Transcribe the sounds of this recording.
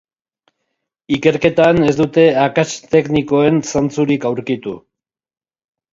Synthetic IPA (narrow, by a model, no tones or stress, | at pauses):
ike̞ɾke̞t̪ane̞zd̪ut̪e̞akat͡ʃt̪e̞kniko̞e̞nsant͡suɾikawɾkit̪ṵ